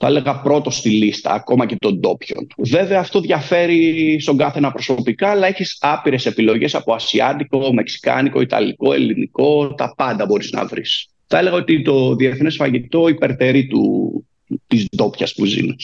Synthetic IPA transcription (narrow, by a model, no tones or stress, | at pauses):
θɐele̞ɣɐpɾo̞t̪o̞st̪ilist̪ɐ̰ːko̞mɐce̞t̪o̞nd̪o̞pço̞̰nve̞ve̞ɐːft̪o̞ðʝɐfe̞ɾist̪o̞ŋɡɐθe̞nɐpɾo̞sopikɐːlɐeçisɐpiɾe̞se̞pilo̞ʝe̞sɐpo̞ɐsiɐ̰d̪iko̞me̞ksi̥kɐ̰niko̞it̪ɐ̰liko̞e̞̰liniko̞t̪ɐpɐnd̪ɐbo̞ɾiznɐ̰vɾḭs | θɐe̞le̞ɣɐot̪it̪o̞ðie̞θnesfɐʝit̪o̞ipe̞ɾt̪e̞ɾit̪ṵ | t̪izd̪o̞pçɐspuzḭnes